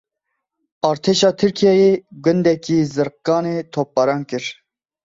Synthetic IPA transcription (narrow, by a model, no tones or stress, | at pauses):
ɑːɾt̪ʰeːʃɑːt̪ʰɨɾkʰijɑːjeːɡʷʊnd̪ɛkiːzɨɾq̚ːɑːneːt̪ʰoːp̚ːɑɾɑːnkɨɾ